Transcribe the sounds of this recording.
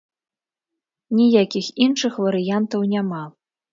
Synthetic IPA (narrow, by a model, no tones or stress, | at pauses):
nʲijakʲixinʂɨxvɐɾɨjant̪ɐwnʲama